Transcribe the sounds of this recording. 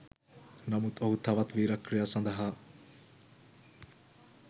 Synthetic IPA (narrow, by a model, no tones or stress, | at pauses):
nɐmut̪oɦut̪ʰɐʋɐt̪ʋiːɾɐkɾijasɐnd̪ɐɦaː